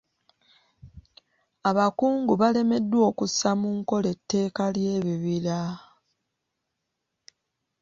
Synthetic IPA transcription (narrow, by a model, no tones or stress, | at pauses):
aβakuːŋɡuβale̞me̞dːwo̞ːkusamuŋko̞le̞tːe̞ːkalje̞ːβiβiɾa